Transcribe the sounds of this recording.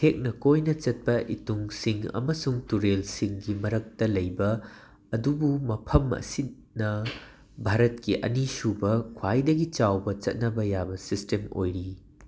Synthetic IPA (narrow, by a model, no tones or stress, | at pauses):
tʰek̚nɐkojnɐt͡ʃɐt̚pɐʔituŋsiŋɐ̰mɐsuŋtuɾelsiŋɡimɐɾɐk̚tɐlɐjbɐː | dubumɐpʰɐmɐ̰si | nɐ | bʱaɾɐt̚kiʔɐ̰nisubɐkʰwajdɐɡit͡ʃawbɐt͡ʃɐt̚nɐbɐjabɐsistemo̰jɾi